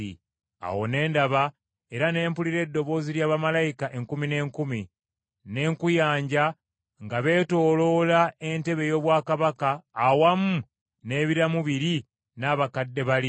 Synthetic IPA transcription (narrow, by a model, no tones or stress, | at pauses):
ḭ | a̰wo̞̰ne̞ːndaβa | e̞ɾane̞ːmpuliɾe̞ːdːo̞βo̞ːziljaːβamalaikaʔe̞ŋkumine̞ːŋkumi | ne̞ːŋkujaːɲɟa | ŋɡaβe̞ːto̞ːlo̞ːlae̞nte̞βe̞jo̞ːβwaːkaβakaːwamu | ne̞ːβiɾamuβiɾi | naβakadːe̞βali